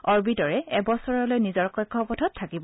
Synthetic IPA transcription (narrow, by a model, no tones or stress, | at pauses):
ɔɹbidɔɹɛɛbɔsɔɹɔlojnizɔɹkɔjkʰːɔpɔtʰɔtʰːakib